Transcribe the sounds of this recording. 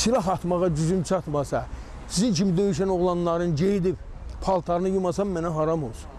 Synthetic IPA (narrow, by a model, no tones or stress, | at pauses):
silˠɑɦɑt̪mɑʁɑd͡ʒyzymt͡ʃʰɑt̪mɑsɑ | siziŋt͡ʃʰimid̪øjyʃænoʁlˠɑnːˠɑɾɯnd͡ʒejid̪ip | pʰɑlˠt̪ʰɑɾnɯjumɑsɑmːænæɦɑɾɑmolˠs